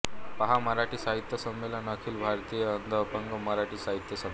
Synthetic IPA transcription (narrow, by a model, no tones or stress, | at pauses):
pəɦaməɾaʈiːsaɦit̪jəsəmːelənəkʰiːlbʱaɾt̪iːjəənd̪ʱəʋpəŋɡəməɾaʈiːsaɦit̪jəsəm